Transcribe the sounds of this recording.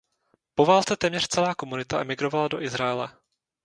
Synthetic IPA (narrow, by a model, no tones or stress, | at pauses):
po̞vaːlt͡sɛt̪ɛːmɲɛr̥t͡sɛlaːko̞munɪt̪aʔɛmɪɡɾo̞valado̞ʔɪzɾajɛlɛ